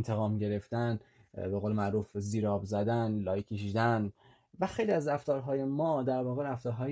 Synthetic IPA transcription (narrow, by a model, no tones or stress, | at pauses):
nt̪ʰeɣɒːmɟe̞ɾe̞ft̪ænbe̞ɣoːlemæʔɾuːfziːɾɒːbzæd̪ænlɒːjkʰːeʃiːd̪æn | væxejliæzræft̪ɒːɾɦɒːjemɒːd̪æɾvɒːɣeɾæft̪ɒːɾɦɒːj